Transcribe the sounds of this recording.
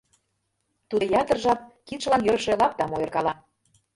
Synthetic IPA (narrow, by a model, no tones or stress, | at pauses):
t̪ud̪ə̆jɑt̪ə̆rʒɑp̚kit̪ʃəlɑnjøɾʃelɑp̚t̪ɑmojɤ̆rkɑlˠɑ